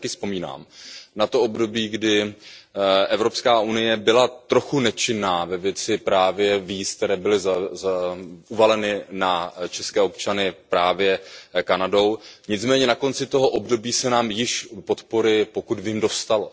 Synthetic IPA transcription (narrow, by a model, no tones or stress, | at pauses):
kɪspo̞miːna̰ːmnat̪o̞obdo̞biːɡdɪ | ʔɛvɾo̞pskaːunɪjɛbɪlat̪ɾo̞xunɛt͡ʃɪnːaːvɛvjɛt͡sɪpɾaːvjɛviːsk̚t̪ɛɾɛːbɪlɪz | uvalɛnɪnat͡ʃɛskɛːo̞p̚t͡ʃanɪpɾaːvjɛkanado̞wɲɪt͡smɛːɲɛnako̞nt͡sɪt̪o̞ɦo̞ʔo̞bdo̞biːsɛnaːmjɪʃpo̞t̪poɾɪpo̞kud̪vimdo̞st̪al